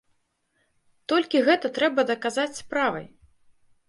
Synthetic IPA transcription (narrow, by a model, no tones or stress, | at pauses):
t̪ɔlʲkʲiɣɛt̪ɐt̪ɾɛbɐd̪ɐkazat͡sʲspɾavɐ̰j